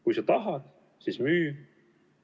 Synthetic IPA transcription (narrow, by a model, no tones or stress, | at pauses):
kujsɑt̪ɑɦɑd̪̥ | sismyː